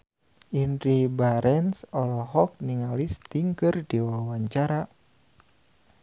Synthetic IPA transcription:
ʔinɾibaɾʔɛnsɔlɔɦɔk̚niŋalist̪iŋkɨrdiwawaɲt͡ʃaɾa

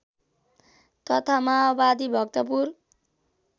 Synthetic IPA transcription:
t̪ʌt̪ʰamabad̪ibʱʌk̚t̪ʌp̬ur

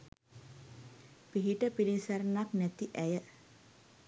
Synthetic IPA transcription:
piɦiʈəpilisæɾnaknæt̪iʔæjə

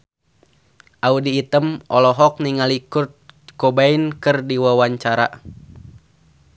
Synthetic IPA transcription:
ʔaudiːt̪əmʔɔlɔɦɔk̚niŋalikurt̪̚kobainkɨrdiwawaɲt͡ʃaɾa̰

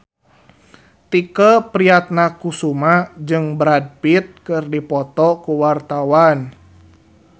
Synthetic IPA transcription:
t̪ikəpɾiat̪̚nakusumad͡ʒɨŋbɾad̚pit̪̚kɨrdipɔt̪ɔkuwart̪awan

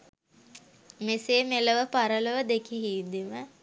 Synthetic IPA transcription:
meseːmeləʋəpaɾələʋəd̪ekiɦiːd̪iʋə

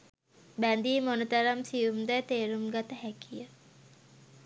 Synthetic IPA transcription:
bænd̪iːmonət̪ɐɾamsijumd̪ɛːt̪eːɾumɡat̪əɦækijə

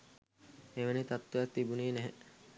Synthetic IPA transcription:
eʋənit̪at̪ːujak̚t̪ibuniːnæɦɛ

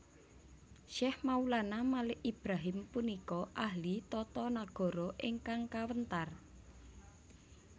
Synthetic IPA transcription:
ʃɛhmaulanamalɪʔʔib̥ɾaɦɪmpunikɔʔahlit̪ɔt̪ɔnaɡ̥ɔ̤ɾɔʔɪŋkaŋkawənt̪ar

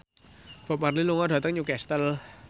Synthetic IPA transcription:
b̥ɔp̚marliluŋɔɖ̥ä̤t̪əŋɲukɛst̪əl

